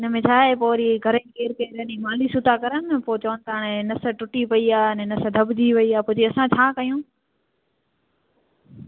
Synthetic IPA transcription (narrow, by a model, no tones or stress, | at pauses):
ɪnə̆mẽt͡ɕʰaːɦepoːɾiɡʱɐɾẽkeːɾkɐɾənimaːlisʊt̪akɐɾənɪ̆poːt͡ɕɐʋənɪ̆t̪ʰaɽ̃enɐsəʈʊʈipɐiaːɪnẽnɐsə̆d̪ʱɐbd̪ʱiʋɐiaːpʊd͡ʑeɐsãt͡ɕʰaːkɐjũː